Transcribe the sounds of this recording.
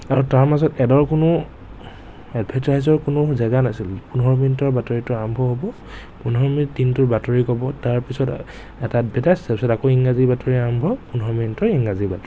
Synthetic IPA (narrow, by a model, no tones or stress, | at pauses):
aɹutaɹmazɔtɛdɔɹkʊnʊ | ɛdbʱɛtɹajzɔɹkʊnʊzɛɡanasilpunɦɔɹminitɔɹbatɔɹitɔambʱɔɦobɔ | punɦɔɹmitːintʊɹbatɔɹikɔbɔtaɹpisɔt | ɛtat̚bɛtasɛpisɔtakoiŋɡazibatɔɹiambʱɔpunɦɔminitɔɹiŋɡazibatɔɹi